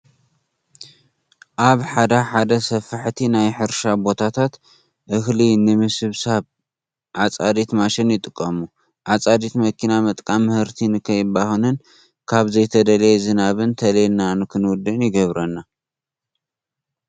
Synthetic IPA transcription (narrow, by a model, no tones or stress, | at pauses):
ʔaβħad̪ɐħad̪ɐsɐfɨħt̪ʰinajħɨɾʃabo̞t̪ʰat̪ʰat̪ | ʔɨxlinɨmɨsɨβsaβ | ʕat͡sʼad̪it̪maʃɪnjɪt̪ʼɨkʼːɐmu | ʔat͡sʼad̪it̪mɐkʰinamɐt̪ʼkʼamːɨhɨɾt̪ʰinɨkʰɐjɪbahɨnɨn | kʰaβzɐjt̪ʰɐd̪ɐlezɨnaβɨnt̪ʰɐlenanɨkʰɨnwʊd̪ɨnjɪɡɐβɾɐnːa